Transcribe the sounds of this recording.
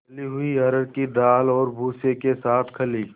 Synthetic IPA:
liɦʊiɐɾəɽkid̪aːlɔːɾbʱuːsekesaːt̪ʰkʰɐliː

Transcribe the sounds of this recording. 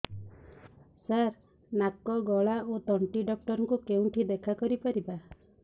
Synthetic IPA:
saɾ | nakːɔɡɔɭaot̪ɔɳʈiɖɔk̚ʈɔɾɔŋkukeũʈʰid̪ekʰakɔɾipaɾiba

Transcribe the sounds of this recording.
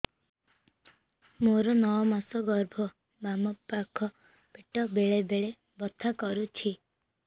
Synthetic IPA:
moɾɔnɔwɔmasɔɡɔɾbʱɔ | mamɔpːakʰɔ | piʈɔbeɭebeɭe | bɔt̪ʰːakɔɾut͡ʃʰi

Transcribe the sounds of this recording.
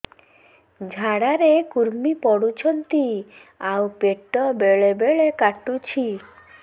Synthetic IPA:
d͡ʒʱaɽaɾekuɾmipɔɽut͡ʃʰɔnt̪i | awpeʈɔbeɭebeɭekaʈut͡ʃʰi

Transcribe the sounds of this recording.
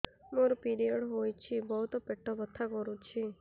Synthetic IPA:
moɾupiɾijɔɽɦojt͡ʃʰibɔɦut̪ɔpeʈʰːɔbət̪ʰːakɔɾũt͡ʃʰi

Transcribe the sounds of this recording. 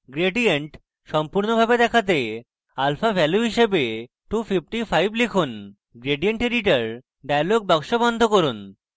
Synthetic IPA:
ɡɾeɖieɳʈ | ʃɔmpuɾnobʱabed̪ɛkʰat̪̬e | alfabʱɛljuɦiʃebe | ʈufʰip̚ʰʈifʰajblikʰun | ɡɾeɖieɳʈiɾiʈaɾ | ɖajloɡ̚bɔkʃobɔnd̪ʱokoɾun

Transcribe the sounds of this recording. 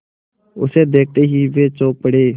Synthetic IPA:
ʊseːd̪eːk̚t̪eːɦiːʋeːt͡ʃoːpəɽeː

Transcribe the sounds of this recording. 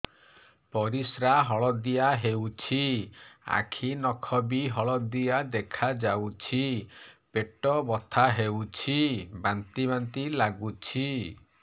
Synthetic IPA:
pɔɾisɾaɦɔɭɔd̪ijaɦewt͡ʃʰia̰kʰinɔkʰɔbiɦɔɭɔd̪ijad̪ekʰad͡ʒawt͡ʃʰipeʈɔbɔt̪ʰaɦewt͡ʃʰibant̪ibant̪ilaɡut͡ʃʰi

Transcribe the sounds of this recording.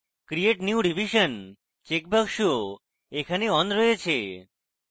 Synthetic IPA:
kɾieʈnjuɖibiʃən | t͡ʃek̚bəkʃuo | ekʰaneɔnd̪ɾəet͡ʃʰe

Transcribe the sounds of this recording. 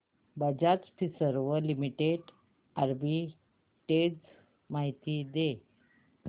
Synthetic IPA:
bəd͡ʑat͡spʰisəɾʋəlimiʈeɖ | aɾbi | ʈed͡z | maɦit̪id̪e

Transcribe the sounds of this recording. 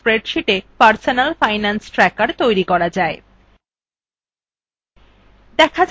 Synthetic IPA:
pɾeɖʃiʈepaɾsonalfajnansʈɾɛkaɾt̪ojɾikɔɾad͡ʑae | d̪ɛkʰad͡ʑ

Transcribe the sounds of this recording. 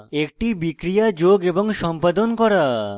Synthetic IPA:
ek̚ʈibikɾijad͡ʑoɡeboŋʃɔmpad̪onkɔɾa

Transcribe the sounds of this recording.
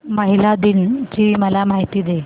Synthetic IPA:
məɦilad̪int͡ɕiːməlamaɦit̪iːd̪e

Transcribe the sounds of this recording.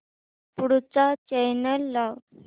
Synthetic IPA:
puɽut͡sat͡ɕɛjnəlːaw

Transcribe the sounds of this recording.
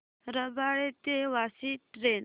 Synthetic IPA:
ɾəbaɽet̪eʋasiʈɾen

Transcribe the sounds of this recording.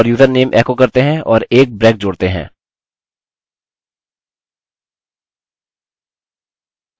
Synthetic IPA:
ɾjuːzəɾneːmʔɛːkokɐɾt̪eɦɛ̃ɔːɾeːk̚bɾɛ̃ːk̚d͡ʒoːɽt̪eɦɛ̰̃ː

